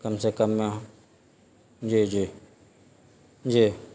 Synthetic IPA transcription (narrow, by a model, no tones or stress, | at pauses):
kəmseːkəmãː | d͡ʒiːd͡ʒiː | d͡ʒiː